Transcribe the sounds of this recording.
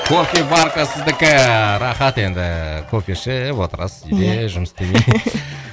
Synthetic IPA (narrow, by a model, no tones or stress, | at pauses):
kʰopʲijbɑɾqɑsəzd̪ɪkʲɪɾɑχɑt̪e̞nd̪ɪkʰopʲiʃɪwo̞t̪əɾɑ̰sed̪eʒʊməsd̪emij